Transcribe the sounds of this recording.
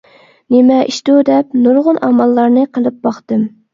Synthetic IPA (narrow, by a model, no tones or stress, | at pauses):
nemɛʔiʃt̪ud̪ɛp̚nuɾʁʊnɑmɑlˠːɑɾnɨqʰəlˠɨp̚bɑχt̪ɨm